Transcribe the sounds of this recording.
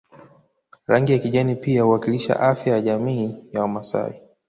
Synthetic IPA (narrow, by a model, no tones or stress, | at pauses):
ɾaŋɡijakiʄɛnipiauwakiliʃa̰ʔafjajaʄamiːjawamasa̰i